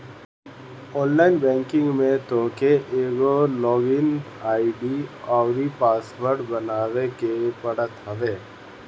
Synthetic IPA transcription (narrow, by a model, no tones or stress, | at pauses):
ɔːnlaːɪnbɛ̃ːŋkɪ̃ŋɡmẽt̪oːkeʔeːɡolɔːɡɪn | aːiɖiɔːwɾipaːsʋəɾʈbɐnaːʋekepɐɽət̪ɦɐʋeː